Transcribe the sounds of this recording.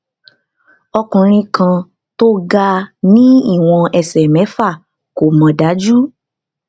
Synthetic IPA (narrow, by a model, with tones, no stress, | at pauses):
ɔ˧kũ˨ɾ̃ĩ˧kã˧ | to˦ɡa˦nĩ˦i˦˨w̃ɔ̃˧ɛ˧sɛ˨mɛ̃˨˦fa˦˨ | ko˨mɔ̃˨˧da˨˦d͡ʒu˦